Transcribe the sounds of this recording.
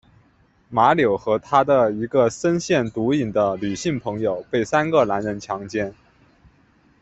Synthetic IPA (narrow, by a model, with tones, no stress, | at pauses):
ma˧˥ljo˨˩ʊxɤ˧˥t̪ʰa˥d̪ə˨i˧˥ɡə˧sə˥nɕjɛ˥˩nt̪u˧˥i˨˩nd̪ə˦ly˨˩ɕi˥˩ŋpʰɤ˧˥ŋjo˨˩ʊpe˥˩ɪsa˥nɡə˥˨la˧˥nɻə˧˥nt͡ɕʰjɑ˧˥ŋt͡ɕjɛ˥˩n